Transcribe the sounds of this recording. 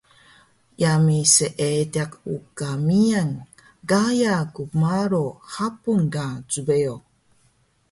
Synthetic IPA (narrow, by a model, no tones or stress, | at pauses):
jamiseʔetakukamian | ɡajakumaɾohapunɡat͡subeo